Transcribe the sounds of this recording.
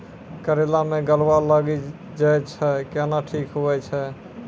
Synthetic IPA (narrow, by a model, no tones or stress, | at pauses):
kəɾelameɡəlwaləɡi | d͡ʒajt͡ʃʰɛkɛnaʈʰikɦoɛt͡ʃʰɛ